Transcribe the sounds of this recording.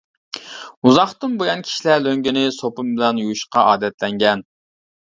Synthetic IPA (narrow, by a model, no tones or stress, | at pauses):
uzɑχt̪ɨnbojɑnkʲʰi̥ʃilæɾløŋɡʲɪnɪsopɨmbɪlɛnjujuʃqɑʔɑːd̪ɛt̪lɛŋɡʲɛn